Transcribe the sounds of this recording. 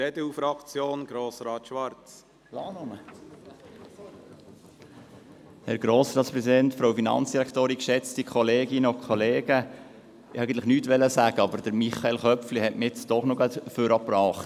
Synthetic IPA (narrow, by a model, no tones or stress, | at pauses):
ɾɛdəufɾɑkt͡sjoːnɡ̥ɾoːsɾɑːt̪ʃʋɑɾt͡s | lɑːnʊmə | hɛɾɡ̥ɾoːsɾɑːtspɾɛsidɛntfɾowfinɑ̰nt͡sd̥iɾækʰtoːɾikʃɛt͡stikχɔleːɡɪnəokʰɔleːɡ̥ə | ɪæɪɡən̩lɪχnyːtʋɛlːəsæɡəɑbəɾd̥əɾmiχɑelχœpflihɛtmɪt͡sd̥ɔχnoɡɑt̪føɾɑprɑːχt